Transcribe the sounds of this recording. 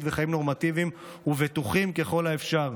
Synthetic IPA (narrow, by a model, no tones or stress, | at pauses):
tveχaimno̞ʁmat̪ivim | huvet̪uχimke̞χo̞laefʃaʁ